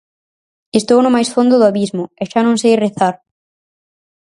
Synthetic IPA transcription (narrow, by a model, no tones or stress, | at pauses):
est̪ownʊmajsfond̪ʊðʊaβizmʊɛʃanõŋsejreθaɾ